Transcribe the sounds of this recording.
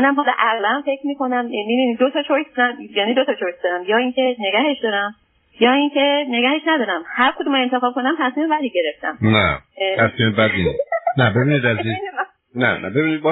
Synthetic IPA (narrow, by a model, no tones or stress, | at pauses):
næmɦɒleʔæɣlæmfe̞cʰmiːko̞næmmibinid̪ot̪ʰɒːt͡ʃʰoɾkʰd̪æmjæːniːd̪ot̪ʰɒt͡ʃʰoɾk̚ʰd̪ɒːɾæmjɒːiŋcʰene̞ɡæhe̞ʃd̪ɒːɾæm | jɒːiŋcʰe̞ne̞ɡæhe̞ʃnæd̪ɒːɾæmhæɾkʰod̪umɒent̪ʰe̞xɒːb̥̚kʰo̞næmt̪ʰæsmiːmevæliːɟe̞ɾe̞ft̪æ̰mnæ̰t̪ʰæsmimebæd̪innæbebinid̪æzi | nænæ̰bebinid̪̚bɔ